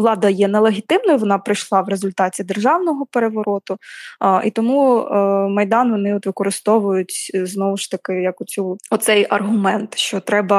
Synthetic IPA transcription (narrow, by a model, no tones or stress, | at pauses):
lˠɑd̪ɐjɛnɛlˠeɦʲit̪ɪmnɔjʋɔnɑpɾɪjʃlˠɑʋɾezʊlʲt̪ɑtʲid̪erʒɑwnɔɦɔpeɾeʋɔɾɔt̪ʊḭt̪ɔmu | mɐjd̪ɑnʋɔnɪɔt̪ʋɪkɔɾɪst̪ɔʋʊjʊtʲznɔʋʊʃt̪ɐkɪjɐkʊt͡s̪ʲuɔt̪sɛjɐrɦʊmɛnt̪ʃt͡ʃɔt̪ɾɛbɐ